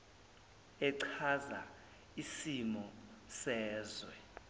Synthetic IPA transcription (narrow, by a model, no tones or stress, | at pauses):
ɛǀʰaza | isimɔsɛːzwɛ